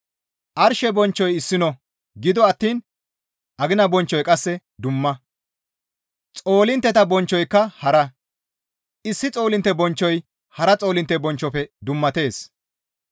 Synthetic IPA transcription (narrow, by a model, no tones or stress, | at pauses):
ʔɐɾʃɛbɔnt͡ʃːɔjɪsːɪnɔ | ɡɪd̪ɔɐt̪ːiːn | ʔɐɡɪnɐbɔnt͡ʃːɔjkʼɐsːɛ | d̪ʊmːɐ | t͡sʼo̞ːlɪnt̪ːɛt̪ɐbɔnt͡ʃːɔjkːɐhɐɾɐ | ɪsːɪt͡sʼo̞ːlɪnt̪ːɛbɔnt͡ʃːɔj | hɐɾɐt͡sʼo̞ːlɪnt̪ːɛbɔnt͡ʃːɔpɛd̪ʊmːɐt̪e̞ːs